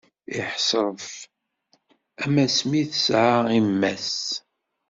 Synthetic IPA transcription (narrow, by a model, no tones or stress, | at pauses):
ɪħsɾˤəf | æmæsmiθəsʕaimːæs